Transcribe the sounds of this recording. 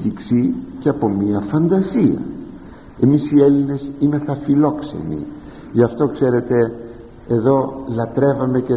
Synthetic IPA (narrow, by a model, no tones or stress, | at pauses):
iksiceɐpo̞miɐfɐnd̪ɐsiɐ̰ | e̞misie̞line̞sime̞θɐfilo̞kse̞̰nḭ | ʝɐft̪o̞kse̞ɾe̞t̪e̞ː | ðo̞lɐt̪ɾe̞vɐme̞ce